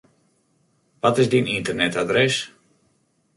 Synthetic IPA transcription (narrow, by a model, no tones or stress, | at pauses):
ʋɔtɪzdinintərnɛtadrɛs